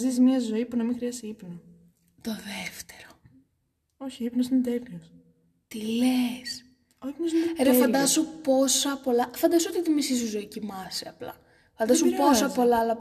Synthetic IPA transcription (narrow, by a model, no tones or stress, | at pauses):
zizmɲɐzo̞ipunɐmixɾiɐsiipno | t̪oðeft̪eɾo | o̞çiipnosinet̪elios | t̪iles | oipnosneeɾeffɐnd̪ɐsupo̞sɐpo̞lɐfɐnd̪ɐsoot̪itimisisuzoicimɐsiɐplɐ̰ | fɐnd̪ɐsumpo̞sɐpo̞lɐɐlɐ